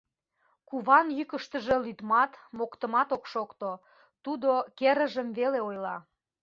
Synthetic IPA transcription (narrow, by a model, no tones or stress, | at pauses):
kuβɑnjykəʃt̪ə̆ʒe̽lyt̪mɑt̪mokt̪ə̆mɑt̪okʃokt̪o | t̪ud̪okeɾə̆ʒəmveleojlɑ̰